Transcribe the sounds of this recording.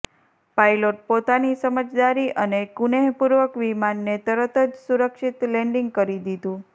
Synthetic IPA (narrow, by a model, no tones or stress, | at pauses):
pajloʈ̚pot̪anisəməd͡ʒd̪aɾiʔənekuneɦpuɾʋəkʋimanːet̪əɾət̪əd͡ʒsuɾəkʃit̪leɳɖiŋɡ̚kəɾid̪id̪ũ